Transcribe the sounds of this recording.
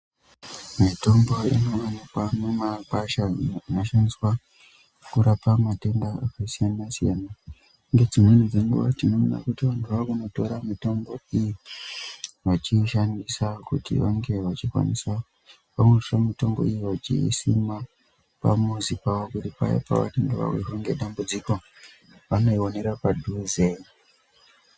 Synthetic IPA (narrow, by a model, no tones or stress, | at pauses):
mito̞mbo̞ḭno̞ʋanapamemakaʃainoʃaniswa | kuɾapamate̞ndaakasijanasijana | ŋɡe̞d͡zimwe̞nid͡ze̞ŋɡṵʋa̰tinomuna̰kutiʋantʰuʋakuno̞to̞ɾamito̞mbo̞iji | ʋat͡ʃiʃandisakutḭʋaŋɡe̞ʋat͡ʃikwa̰nḭsa | pameʂomito̞mbo̞̰ijiʋat͡ʃḭsima | pamuzipawokutipa̰ja̰pa̰ʋa̰tendeʋa̰wiɦeŋɡe̞ɗambud͡ziko̞ | ʋano̞io̞ne̞ɾapadʱuzei